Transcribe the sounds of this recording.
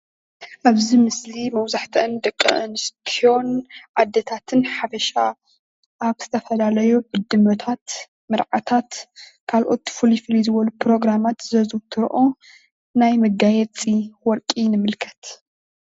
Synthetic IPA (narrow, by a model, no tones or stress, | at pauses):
ʔaβzimɨslimɐwzaħt̪ʰɐʔnd̪ɐkʼːɨ̰ʔɨnɨst̪ʰio̞nʔad̪ːɐt̪ʰat̪ʰɨnħafɐʃa | ʔaβz̥ɨt̪ʰɐfɐlalɐjobɨd̪ːɨmɐt̪ʰat̪ | mɨɾʕat̪ʰat̪kʰalʔo̞t̪ːfulifɨlizɨβɐlupɾo̞ɡɾamat̪zɐzut̪ʰɨɾʔo̞ | najmɐɡajɛt͡sʼiwɔɾkʼinɨmɨlkʰɐ̥t̪